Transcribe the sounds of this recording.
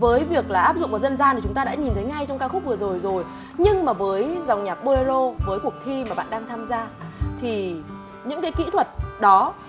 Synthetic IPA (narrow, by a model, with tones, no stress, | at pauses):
vəː˨˦jvi˨˩ək̚laː˨˩ʔaː˦˥p̚zʊ̰˧˨ŋ͡mvaː˨˩zə˧nzaː˧nʰi˨˩t͡ɕʊ˨˦ŋ͡mt̪ːɗa̰ː˧˥ɲi˨˩nt̪ʰə˨˦jŋa˧jt͡ɕɔ˧wŋ͡mkaː˧xʊ˦˥k͡p̚vɨ˨˩əzo˨˩jzo˨˩j | ɲɨ˧ŋmaː˨˩vəː˨˦jzwŋ͡mɲaː˨˩p̚ɓo˧e˧zo˧vəː˨˦jku˨˩ək̚t̪ʰi˧maː˨˩ɓa̰ː˧˨nɗaː˧ŋt̪ʰaː˧mzaː˧t̪ʰi˨˩ | ɲɨ̰˧˥ŋkaː˨˦jkḭ˧˥t̪ʰwə˨˩t̚ɗɔ˨˦